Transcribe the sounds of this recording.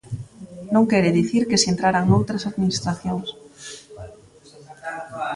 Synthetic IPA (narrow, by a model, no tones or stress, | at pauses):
nõŋkɛɾeðiθiɾkesent̪ɾaɾaŋnowt̪ɾasaðminist̪ɾaθjõŋs